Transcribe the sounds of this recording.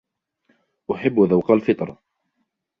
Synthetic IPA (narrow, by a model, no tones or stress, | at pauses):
ʔʊħɪbːðawqalfɪt̪ˤɾˤ